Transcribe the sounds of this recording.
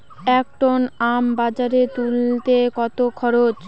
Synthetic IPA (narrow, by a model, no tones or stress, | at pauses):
ɛk̚ʈonambad͡ʑaɾet̪ult̪ekɔt̪okʰɔɾot͡ɕ